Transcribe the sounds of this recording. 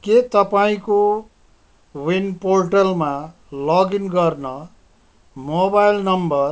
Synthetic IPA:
ket̪ʌpaĩko | winporʈʌlma | lʌɡinɡʌrnʌ | mobajlnʌmbʌr

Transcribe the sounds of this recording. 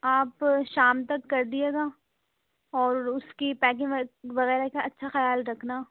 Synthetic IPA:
aːpʃaːmt̪ɐkːɐɾd̪ieːɡaː | ɔːɾʊskipɛːk̬ɪ̃ŋʋɐɣɛːɾakaɐtːʃʰaxɐjaːlɾɐkʰnaː

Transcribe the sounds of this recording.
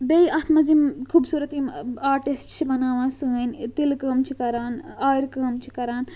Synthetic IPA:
bejɐt̪ʰmɐzimkʰuːbsuːɾɐt̪imaːɾʈisʈt͡ʃʰibɐnaːʋãːsɨnt̪ilkəmt͡ʃʰikɐɾaːnaːɾkəːmt͡ʃʰi̥kɐɾaːn

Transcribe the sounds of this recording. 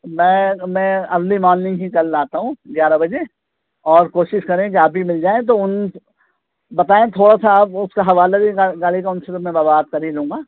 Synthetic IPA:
mɛ̃ːmɛ̃ɐzlimɔːnnɪ̃ŋɦikɐɾlaːt̪aɦũːɡjaːɾabɐd͡ʒe | ɔːɾkoːʃɪʃkɐɾẽk̬iaːp̚bimɪld͡ʒaːẽt̪̬oʊn | bɐt̪aːẽt̪ʰoːɽasaɐbʊskaɦɐʋaːlabiaɡaːlik̬aʊnsəɾmɛ̃baːbaːd̪̚kɐɾilũːŋɡaː

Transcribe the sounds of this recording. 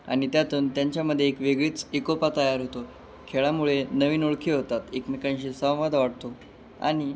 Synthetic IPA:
a̰ɽ̃it̪jat̪uːnt̪jaɲt͡ɕjaməd̪ʱːjeːkʋeɡɭiːt͡sikopat̪əjaɾɦot̪o | kʰeɭamuɭenəʋiːnoɭkʰiːɦot̪at̪ekmikãnɕiːsə̃w̃ʋad̪ʱʋaɽt̪o | a̰ɽ̃i

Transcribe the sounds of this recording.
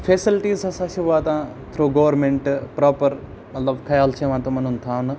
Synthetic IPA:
feːsɪlʈiːzɐsãʃuʋaːt̪ã | t̪ʰɾuːɡoːʋəɾmẽɳʈpɾɔːpəɾ | mɐt̪ləbkʰɐjaːlt͡ʃʰeʋãːt̪omɐnunt̪ʰãːn

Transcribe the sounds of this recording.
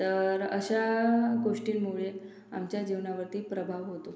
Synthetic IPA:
t̪əɾə̰ɕaɡoʂʈiːnmuɭe | a̰mt͡ɕjad͡ʑeʋɳaʋəɾt̪iːpɾəbʱaʋɦot̪o

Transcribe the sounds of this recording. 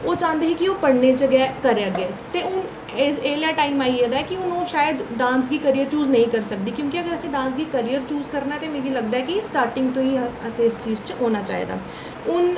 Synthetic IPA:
oːt͡ʃãːnd̪eːɦikioːpəɽned͡ʒəɡɛːkəɾɡeːt̪eːʊn | eːljaːʈaːimaːied̪aːɛːkiʊnɦõːʃaːjəd̪ɖãːnsɡiːkəɾijəɾt͡ʃuːznəɦĩːkəɾsək̚d̪iːkjõːkiəɡəɾəseɖãːnsɡiːkəɾijəɾt͡ʃuːzkəɾnaɛt̪emeːɡiləɡ̚d̪aːɦɛkisʈaːɾʈɪ̃ŋɡt̪õːĩəseɪst͡ʃiːzt͡ʃɦoːnaːt͡ʃa̰ːɦḭd̪a̰ː | ʊn

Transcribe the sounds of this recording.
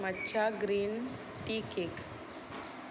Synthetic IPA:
mətːɕʰaɡɾiːn | ʈikek

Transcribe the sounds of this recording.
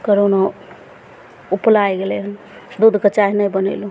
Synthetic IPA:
kəɾono | uplajɡeleɦən | d̪ud̪ʱkət͡ʃaɦnəjbənə̰lũ

